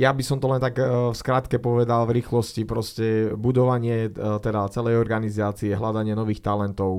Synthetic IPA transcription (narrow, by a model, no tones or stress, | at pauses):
jabisɔmt̪ɔlɛnt̪akskɾaːt̪kɛpɔʋɛd̪alvɾiːxlɔscipɾɔscɛbud̪ɔʋaɲɪɛt̪ɛd̪at͡sɛlɛjɔɾɡanizaːt͡siɛɦlad̪aɲɪɛnɔʋiːxt̪alɛnt̪ɔʊ